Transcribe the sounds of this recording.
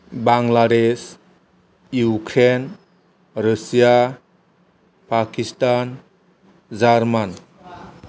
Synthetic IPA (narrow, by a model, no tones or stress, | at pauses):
baŋlades | jukʰɾen | ɾəsija | pakistan | zaɾman